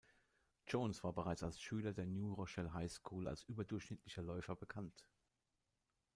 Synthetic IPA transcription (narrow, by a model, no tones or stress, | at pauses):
d͡ʒoʊnsv̥aːɐbəʁaɪt͡salsʃyːlɐdeːɐnjuːʁɔʃɛlɦaɪskʰuːla̰lsʔyːbɐdʊɐçʃnɪtʰlɪçɐlɔʏfɐbəkʰant